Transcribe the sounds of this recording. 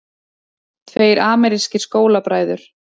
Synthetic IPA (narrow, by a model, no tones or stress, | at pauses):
t̪ʰveːjɾaːmɛɾiscɪskoːwlapɾaːjðʏɾ̥